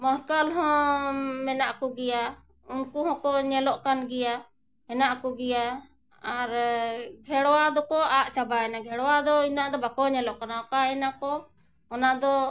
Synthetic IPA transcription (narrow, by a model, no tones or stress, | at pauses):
məɦkalɦɔ̃mɛnaʔkɔɡɛja | unkuɦɔ̃kɔɲɛlɔʔkanɡɛja | hɛnaʔkɔɡɛja | aɾɡʱɛɽwad̪ɔkɔaʔt͡ʃabaɛnaɡʱɛɽwad̪ɔinaʔd̪ɔbakɔɲɛlɔʔkanaɔkaʔɛnakɔ | ɔnaʔd̪ɔ